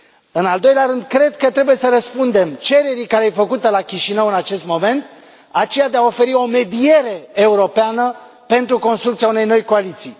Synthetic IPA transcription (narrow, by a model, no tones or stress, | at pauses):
ɨnald̪o̞jleaɾɨnd̪̚kɾe̞d̪kət̪ɾe̞buje̞səɾəspund̪e̞mt͡ʃe̞ɾe̞ɾikaɾeejfəkut̪əlakʲiʃinəwɨnat͡ʃe̞st̪mo̞me̞nt̪̚ | at͡ʃe̞jad̪e̞ao̞fe̞ɾio̞me̞d̪ije̞ɾe̞euɾo̞peanə | pe̞nt̪ɾuko̞nst̪ɾukt̪sijaune̞jno̞jko̞alit̪sij